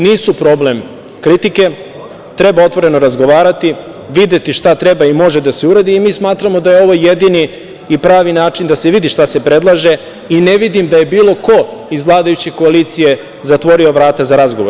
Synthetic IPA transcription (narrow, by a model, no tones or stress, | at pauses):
niːsupɾo̞ble̞m | kɾit̪ike̞ | t̪ɾe̞bao̞t̪ʋo̞ɾe̞no̞ɾazɡo̞ʋaːɾat̪i | ʋid̪e̞t̪iʃt̪at̪ɾe̞baimo̞ʒe̞d̪aseuɾad̪iːmiːsmaːt̪ɾamo̞d̪ajeo̞ʋojːe̞d̪iniː | pɾaːʋinaːt͡ʃind̪aseʋid̪iʃt̪ase̞pɾe̞d̪lˠaʒe̞ | ineʋid̪imd̪aje̞biːlo̞ko̞izʋlˠaːd̪ajut͡ɕeko̞aliːt̪sije̞ | zat̪ʋo̞ɾio̞ʋɾaːt̪azaɾazɡo̞ʋoɾ